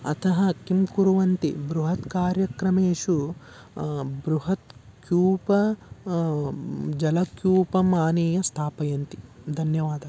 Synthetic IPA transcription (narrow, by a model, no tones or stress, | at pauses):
ɐ̰t̪ʰɐɦɐkimkuɾuʋɐnt̪ibɾuɦɐt̪kaːɾjɐkɾɐmeːʂu | bɾuɦɐt̪kjuːpɐ | d͡ʒɐlɐkjuːpɐmaːniːjɐst̪ʰaːpɐjɐnt̪i̥d̪ʱɐnjɐʋaːd̪ɐ